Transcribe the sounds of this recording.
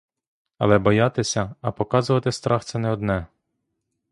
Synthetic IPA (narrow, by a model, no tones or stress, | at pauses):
ɐ̰lˠɛbɔjɑt̪ɪsʲɐɐpɔkɑzʊʋɐt̪ɪst̪ɾɑxt̪sɛnɛɔd̪nɛ